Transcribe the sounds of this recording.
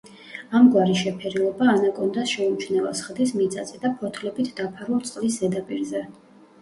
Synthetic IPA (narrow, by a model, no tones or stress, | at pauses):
amɡwaɾiʃɛpʰɛɾilˠɔbaːnakʼɔnd̪asʃɛut͡ʃʰnɛva̰sχd̪ismit̪sʼat̪sʼɛd̪apʰɔt̪ʰlɛbit̪ʰd̪apʰaɾulˠt̪sʼqʼlisɛd̪apʼiɾzɛ